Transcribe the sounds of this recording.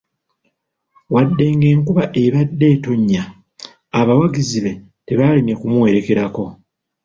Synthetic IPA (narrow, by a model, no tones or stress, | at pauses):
wadːe̞ŋɡe̞ːŋkuβaʔe̞βadːe̞ːto̞ɲːaː | βawaɡiziβe̞ | te̞βaline̞kumuwe̞ɾe̞ke̞ɾako̞